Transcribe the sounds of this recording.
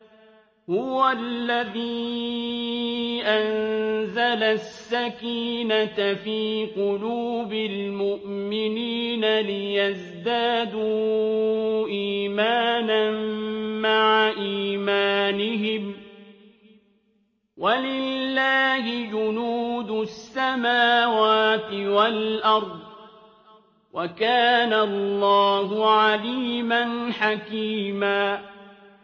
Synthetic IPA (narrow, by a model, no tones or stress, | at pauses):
hʊwalːaðiː | ʔanzalasːakiːnafiːqʊluːbɪlmʊʔmɪniːnalɪjaz | d̪aːd̪uː | ʔiːmaːnanmaʕaʔiːmaːnɪɦɪm | walɪlːaːhɪd͡ʒʊnuːd̪ʊsːamaːwaːt̪ɪwalʔɑɾˤd̪ˤ | wʔakaːnalˤːɑːɦʊʕaliːmanħakiːmaː